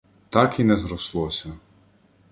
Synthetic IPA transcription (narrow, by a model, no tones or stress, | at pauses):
t̪ɑkinɛzɾɔslˠɔsʲɐ